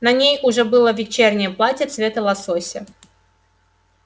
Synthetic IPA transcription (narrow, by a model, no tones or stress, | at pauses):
nɐnʲejʊʐɛbɨlˠəvʲɪt͡ɕernʲɪjəplˠatʲət̪svʲet̪əlˠɐsosʲɪ